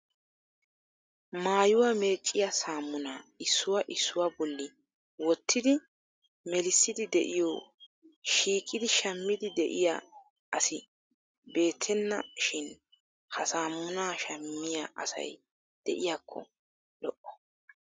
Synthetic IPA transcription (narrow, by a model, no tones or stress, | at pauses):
maːjʊwame̞ːt͡ʃʼːɪjasaːmːʊnaːɪsːʊwaʔɪsːʊwabɔlːɪ | wɔt̪ʰːɪd̪ɪ | mɛlɪsːɪd̪ɪd̪ɛʔɪjɔ | ʃiːkʼːɪd̪ɪʃɐmːɪd̪ɪd̪ɛʔɪja̰ | ɐsɪ | be̞ːt̪ʰːɛnːɐ̰ʃɪn | hɐsaːmːʊnaːʃɐmːɪjaʔɐ̰sɐ̰j | d̪̥ɛʔɪjaːkʰːɔ̰ | lɔʔɔ̥